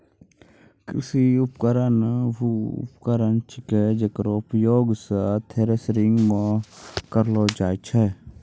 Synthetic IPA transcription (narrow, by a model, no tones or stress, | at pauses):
kɾḭsiupkəɾənʋuṵpkəɾənt͡ʃʰiked͡ʒɐkɾoupjoːɡsət̪ʰeːɾesɾiŋɡmakɐɾloːd͡ʒaːt͡ʃʰɛ